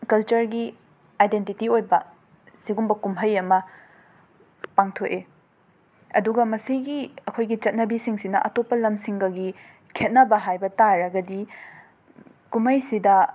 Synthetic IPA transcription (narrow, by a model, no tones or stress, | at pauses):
kɐlt͡ʃɐɾɡi | ajdentitiojbɐ | siɡumbɐkumɦɐjɐmɐ | paŋtʰote | ɐ̰duɡɐmɐsiɡiɐkʰojɡit͡ʃɐt̚nɐbisiŋsinɐʔɐtopːɐlɐmsiŋɡɐɡi | kʰet̚nɐbɐɦajbɐtaɾɐɡɐdi | kumhɐjsidɐ